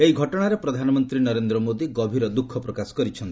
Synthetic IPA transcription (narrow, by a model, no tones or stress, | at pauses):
eɦiɡʱɔʈɔɽ̃aɾepɾɔd̪ʱanɔmɔnt̪ɾinɔɾend̪ɾɔmod̪iɡɔbʱiɾɔd̪ukʰːɔpɾɔkasɔ̥kɔɾit͡ʃʰɔnt̪i